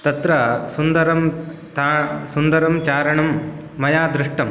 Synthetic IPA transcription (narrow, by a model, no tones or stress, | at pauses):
t̪ɐt̪ɾɐsund̪ɐɾɐm | t̪asund̪ɐɾɐmt͡ʃaːɾɐɳɐmː | ɐjaːd̪ɾɪʂʈɐm